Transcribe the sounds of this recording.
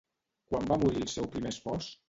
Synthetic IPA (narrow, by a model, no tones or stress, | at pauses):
kwambamuɾilˠsɛwpɾimespɔs